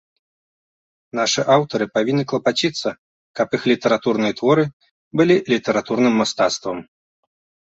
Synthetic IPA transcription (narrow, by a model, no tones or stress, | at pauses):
naʂɨʔawt̪ɐɾɨpavʲinːɨklˠɐpat͡ɕʲit̪sːɐ | kɐpixlʲit̪ɛɾat̪urnɨjɐt̪vɔɾɨ | bɨlʲilʲit̪ɛɾat̪urnɨmːast̪at̪st̪vɐm